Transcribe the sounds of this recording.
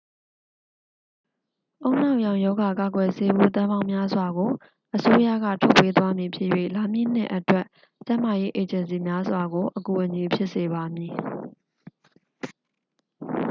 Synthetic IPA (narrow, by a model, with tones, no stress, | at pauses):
ʔõ˦ʊ̃n̥ã˦˨ʔjã˨ʊ̃jɔ˦ɡa˨ka˨ɡwɛ˨se˦bṵ˦˨t̪̬ã˦mã˦ʊ̃mja˦zwa˨ɡo˨ | ʔəso˦ja̰˦˨ɡä̰˦˨tʰɔ˦˨pːe˦t̪wa˦mji˨pʰjɪ̰˦ʔjwḛ˦˨la˨mjḭ˦˨n̥ɪ̰˦˨ʔə˨twɛ˦ʔ | t͡ɕã˦ma˨je˦ʔe˨d͡ʑə̃˨ns̬i˨mja˦zwa˨ɡo˨ʔəku˨ʔə˨ɲi˨pʰjɪ˦ʔse˨βa˨mji˨